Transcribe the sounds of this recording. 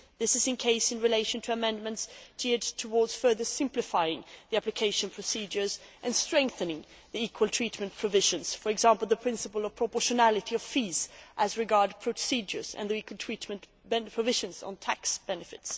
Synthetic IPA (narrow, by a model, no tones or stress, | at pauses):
ðɪsɨzɨ̃nkʰeɪsɨ̃nɹɨleɪʃɨ̃ntʰɨəmɛ̃ndmɨ̃ntst͡ʃɪɹdtʰəwɔɹdz̥fɜ˞ðə˞sɪ̃mplɨfaɪɪ̃ŋðiæplɨkʰeɪʃɨ̃npʰɹ̥ɨsid͡ʒə˞zʔɨ̃nstɹ̥ɛ̃ŋk̚θɨ̃nɪ̃ŋ | ðiikʰwəlˠtʰɹ̥itmɨ̃npʰɹ̥əvɪʒɨ̃nz̥fə˞ɨɡzæ̃mpl̩ˠðəpʰɹ̥ɪ̃nsɨpəl̩ˠʌv̥pʰɹ̥əpɔʃɨnælˠɨɾiʌv̥fizʔəzɹɨɡɑɹd̚pʰɹ̥ɨsid͡ʒə̰˞z̥ɨ̰̃nðiikʰwlˠtʰɹ̥itmɨ̃n | bɛpʰɹ̥əvɪʒɨ̃nzn̩tʰæksb̥ɛnɨfɨts